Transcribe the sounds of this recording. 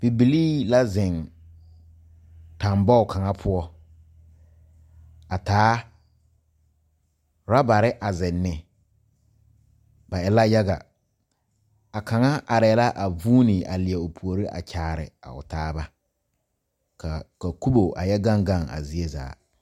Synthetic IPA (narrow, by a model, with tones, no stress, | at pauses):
b̥i˨bi˨liː˦la˦zɪ˨ŋ | ta˨mbɔ˦ʊ˨ka˨ŋa˦pʰʊ˦ɔ˦ | a˨taː˨˦ | ɾa˦ba˨ɾɪ˦ʔa˨zɪ˨nːɪ˨ | ba˨ɛ˨la˦ja˦ɡa̰˨ | a˨ka˨ŋa˦ʔa˨ɾɛ˨ɛ˨la˦ʔa˨vuː˦ni˨a̰˨lɪ˨ɛ˨ʊ˨pʰu˨o˨ɾi˦ʔa̰˨t͡ʃaː˨ɾɪ˨a̰˨ʊ̰˨taː˦ba˦ | ka˨ka˨ku˦bo˨a̰˨jɛ˦ɡa˦ŋɡa˦˨ŋa̰˨zi˨˦e˦za̰ː˨˦